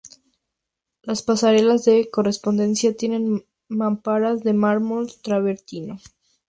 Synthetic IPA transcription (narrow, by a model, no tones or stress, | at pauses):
laspasaɾe̞lazðe̞ko̞re̞spo̞nd̪e̞nsjat̪je̞ne̞n | mampaɾazðe̞maɾmolt̪ɾaβe̞ɾt̪ino